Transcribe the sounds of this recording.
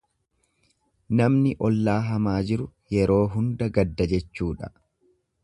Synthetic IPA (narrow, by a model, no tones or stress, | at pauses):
nɐmnɪʔɔlːaːɦɐmaːd͡ʒɪɾʊjɛɾo̞ːɦʊnd̪ɐɡɐd̪ːɐd͡ʒɛt͡ʃːuːᶑɐ̥